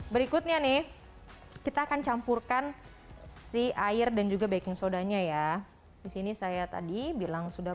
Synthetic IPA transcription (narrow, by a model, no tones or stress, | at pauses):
bəɾikʊt̪̚ɲanɪh | kit̪aːkant͡ʃampurkan | siʔaɪrdand͡ʒuɡabaikɪŋsodaɲaja | disinisajat̪a̰dibilaŋsuda